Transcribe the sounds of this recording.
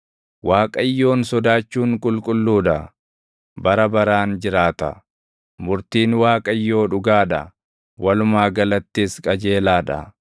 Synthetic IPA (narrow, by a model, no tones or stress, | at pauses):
waːkʼɐɪjːo̞ːnsɔd̪aːt͡ʃːuːŋkʼʊlkʼʊlːuːᶑɐ | bɐɾɐbɐɾaːnd͡ʒɪɾaːt̪ɐ̰ | mʊɾt̪iːnwaːkʼɐɪjːo̞ːᶑʊɡaːᶑɐ̰ | wʔɐlʊmaːɡɐlɐt̪ːiːskʼɐd͡ʒe̞ːlaːᶑɐ̰